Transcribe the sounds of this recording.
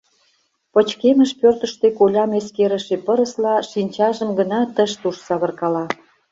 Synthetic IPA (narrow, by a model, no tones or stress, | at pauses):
pə̆t͡ɕkeməʃpørt̪ə̆ʃt̪ekolʲɑmeskeɾə̆ʃepə̆ɾə̆slɑʃinʲt͡ɕɑʒə̆mɡə̆nɑt̪əʃt̪uʃsɑβə̆rkɑlɑ